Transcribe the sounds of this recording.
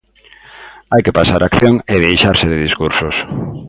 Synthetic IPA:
ajkepasaɾʔakθjoŋeðejʃaɾsɪðɪðiskuɾsos

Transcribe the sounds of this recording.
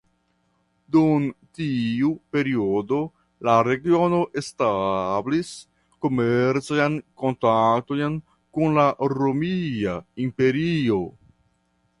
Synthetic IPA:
duntiupe̞ɾio̞do̞ | laɾe̞ɡio̞no̞ʔe̞stablis | ko̞meɾt͡saanko̞ntaktojn | kunlaɾomiaimpe̞ɾio̞

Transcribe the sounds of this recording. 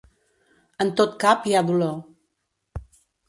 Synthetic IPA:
ənt̪ot̪kapiaðulo

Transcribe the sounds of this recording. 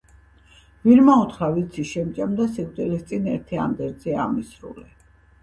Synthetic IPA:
viɾmaut̪χɾavit̪sʰiʃɛmt͡ʃʼamd̪asikʼt̪ʼilist̪sʼinɛɾt̪ʰia̰md̪ɛɾd̪zɛa̰misɾṵlɛ

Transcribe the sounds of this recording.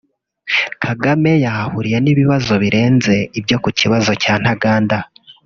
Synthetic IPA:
kʰaɡame̞jahahuɾije̞niβiβazo̞βiɾʔe̞ːnze̞ibjo̞kuciβazo̞caːn̥haɡaːnda

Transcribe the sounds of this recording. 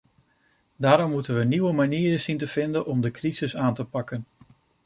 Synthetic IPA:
daːɾɔmːutənʋəniʋəmaniːɾəz̥intəv̥ɪndənʔɔmdəkrizɪsaːntəpɑkən

